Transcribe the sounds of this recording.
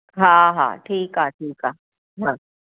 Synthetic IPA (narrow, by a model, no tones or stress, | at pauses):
ɦãɦã̰ːʈʰiːkɦaːʈʰiːkɦaː | ɦãː